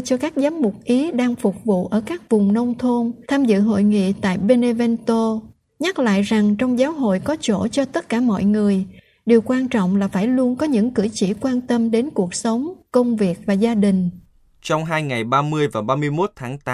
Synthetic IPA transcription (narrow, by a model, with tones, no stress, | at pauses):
t͡ɕɔ˧kaː˦˥k̚zaː˨˦mmʊ˨˩k͡p̚ʔi˨˦ɗaː˧ŋfʊ˨˩k͡p̚vṵ˧˨ʔəː˧˩kaː˦˥k̚vʊ˨˩ŋ͡mnə˧wŋ͡mt̪ʰo˧nt̪ʰaː˧mzɨ̰˧˨ɦo̰˧˨jŋḭ˧˨t̪a̰ː˧˨jɓe˧ne˧vɛ˧nt̪o˧ | ɲa˦˥t̚la̰ː˧˨jza˨˩ŋt͡ɕɔ˧wŋ͡mzaː˨˦wɦo̰˧˨jkɔ˨˦t͡ɕo˧˩t͡ɕɔ˧t̪ə˦˥t̚kaː˧˩mɔ̰˧˨jŋɨ˨˩əj | ɗi˨˩əwkwaː˧nt͡ɕɔ̰˧˨wŋ͡mlaː˨˩faː˧˩jlu˧ənkɔ˨˦ɲɨ̰˧˥ŋkɨ̰˧˩t͡ɕi˧˩kwaː˧nt̪ə˧mɗe˨˦nku˨˩ək̚sə˨˦wŋ͡mkə˧wŋ͡mvi˨˩ək̚vaː˨˩zaː˧ɗï˨˩ŋ̟ | t͡ɕɔ˧wŋ͡mɦaː˧jŋa˨˩jɓaː˧mɨ˧əjvaː˨˩ɓaː˧mɨ˧əjmo˦˥t̚t̪ʰaː˨˦ŋt̪a˨˦